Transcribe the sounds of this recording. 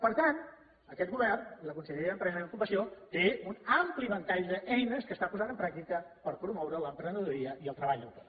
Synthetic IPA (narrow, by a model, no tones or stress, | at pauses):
pəɾt̪an | əkɛt̪̚ɡuβɛrniləkunsəʎeiəəmpɾɛzəẽəkumbəsiot̪eunampliβənt̪aʎd̪əʔɛjnəskəst̪apuzat̪əmpɾak̚t̪ikəpəɾpɾumɔwɾələmpɾənəðuɾiəiəlˠt̪ɾəβaʎləwkɛ